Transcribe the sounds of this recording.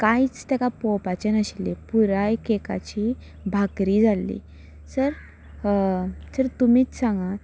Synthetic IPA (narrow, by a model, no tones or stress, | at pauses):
kajt͡st̪akapopat͡ɕenəɕilepuɾajkeka̰t͡ɕi | bʱakɾiːd͡zʱalːḭː | səɾ | səɾt̪umiːt͡ssãŋɡa